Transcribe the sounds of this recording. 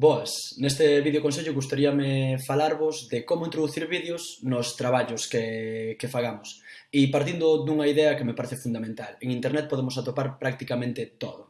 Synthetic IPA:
bɔesnest̪ɪβiðjokõnseʎʊɣust̪aɾiɐmɪfalaɾβʊzd̪ɪkomʊint̪ɾoðuθiɾβiðjʊsnʊst̪ɾaβaʎʊskekefaɣamʊsipaɾt̪ind̪ʊd̪uŋɐiðɛɐkemepaɾeθɪfund̪amẽnt̪aleŋĩnt̪eɾnɛt̪̚poðemʊsat̪opaɾpɾak̚t̪ikamẽnt̪ɪt̪oðʊ

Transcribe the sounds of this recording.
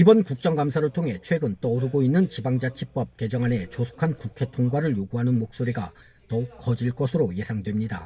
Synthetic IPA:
ibʌnkuk̚t͡ɕ͈ʌŋɡamsʰaɾɯɭtʰoŋɦe̞t͡ɕʰwe̞ɡɯnt͈ʌːɾɯɡoinːɯnt͡ɕibaŋd͡ʑat͡ɕʰip͈ʌp̚ke̞d͡ʑʌŋɦane̞t͡ɕosʰo̥kʰankukʰe̞tʰoŋɡwaɾɯɭjoɡuɦanɯnmok̚s͈oɾiɡa̰ | tʌuk̚k͈ʌd͡ʑiɭk͈ʌsʰɯɾoje̞sʰaŋdwe̞mɲida̰

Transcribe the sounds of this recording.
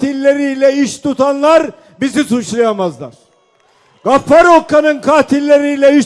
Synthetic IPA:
t̪ilʲːeɾijlʲɛiʃt̪ʰut̪ʰanlˠaɾ | bizisut͡ʃlˠajamazlˠa̰ɾ̥ | ɡ̥afːaɾokʰːanɯnkʰaːt̪ʰilʲːe̞ɾijlʲɛiʃ

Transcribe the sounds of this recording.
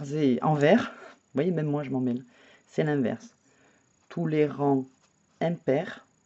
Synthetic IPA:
ʁzeʔɑ̃vɛʁ | vwajemɛmːwaʒəmɑ̃mɛl | sɛlɛ̃vɛ̰ʁs | t̪ʰuleʁɑ̃ | ɛ̃pɛʁ

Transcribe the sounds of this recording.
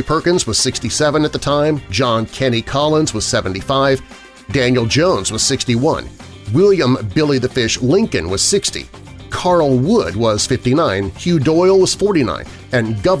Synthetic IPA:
pʰɜ˞kɨ̃nzwʌz̥sɪkstisɛvɨ̃nɨt̪̚ðətʰãɪ̃md͡ʒɑ̃nkʰɛñikʰɑlˠə̃nzwʌz̥sɛvɨ̃n̩tifaɪv̥ | dæ̃njl̩ˠd͡ʒõʊ̃nzwʌz̥sɪkstiwʌ̰̃n | wɪlˠjə̃mbɪlˠiðɨfɪʃlɪ̃ŋkɨ̰̃nwʌz̥sɪkstḭ | kʰɑɹl̩ˠwʊd̚wʌz̥fɪftinãɪ̃nhjʉdɔɪl̩ˠwʌz̥fɔɹɾinã̰ɪ̃n | ɨ̃nɡʌv

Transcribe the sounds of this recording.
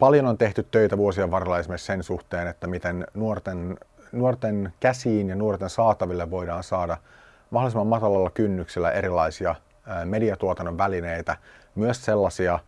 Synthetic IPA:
pɑljonont̪e̞ht̪yt̪ːøjt̪æʋuosieʋʋɑrolːɑesmiessensuht̪eːnet̪ːæmit̪ennuort̪en | nuort̪enkæsiːnjɑnuort̪ensɑːt̪ɑʋilːeʋʋo̞jdɑːnsɑːdɑ | mɑholisemːɑmmɑt̪ɑlɑlːɑkynːyksilːæ̰ʔeɾilɑisiɑ | mediɑt̪uot̪ɑnːoʋʋælineit̪æmyøsselːɑsiɑ

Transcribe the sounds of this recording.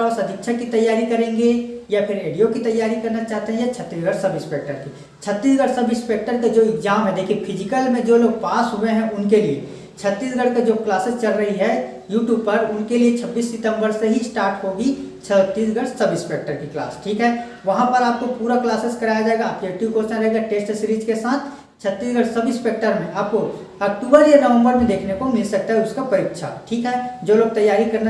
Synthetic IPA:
ɔːsɐd̪ʱɪkʃʰəkːit̪ɐjːaːɾikɐɾẽːŋɡejapʰɪɾɾeːɖijokit̪ɐjːaːɾikɐɾnat͡ʃaːɦt̪eɦɛ̃jat͡ʃʰət̪ːiːsɡəɽsɐbɪ̃speːk̚ʈəɾki | t͡ʃʰət̪ːiːsɡəɽsəbɪ̃speːk̚ʈəɾkad͡ʒoːɪkzaːmɦɛd̪eːkʰiepʰɪd͡ʒɪkəlmẽd͡ʒoːloːɡ̚paːsɦʊeɦɛ̃ʔʊnkelie | t͡ʃʰət̪ːiːsɡʱəɽkad͡ʒoːklaːsɪst͡ʃɐlɾɐɦiɦɛ | juːʈjuːb̚pɐɾʊnkeliet͡ʃʰɐbːiːsːɪt̪ə̃mbəɾseɦisʈaːɾʈɦoɡit͡ʃʰət̪ːiːs̬ɡəɽsəbɪspeːk̚ʈəɾkikla̰ːsʈʰiːkɦɛ | ʋɐɦãpəɾaːp̚kopuːɾaklaːsɪskɐɾaːjad͡ʒaeɡaːp̚kjuʈjuːbkot͡ʃnaɾəɦeɡaʈeːsʈsɾid͡ʒkesaːt̪ʰ | t͡ʃʰət̪ːiːsɡʱəɽsəbɪspeːk̚ʈəɾmẽʔaːp̚ko | ɐk̚ʈuːbəɾjenəʋə̃mbəɾmẽd̪eːkʰnekomɪlsək̚t̪aɦɛʊskapəɾikʃʰa̰ʈʰiːkɦɛːd͡ʒoːloːɡ̚t̪əjaːɾikəɾna

